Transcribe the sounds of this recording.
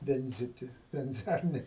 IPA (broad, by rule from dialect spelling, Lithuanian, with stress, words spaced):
ˈʋʲɛnʲzʲɪtʲɪ ʋʲɛnʲˈzʲɛrʲnʲeː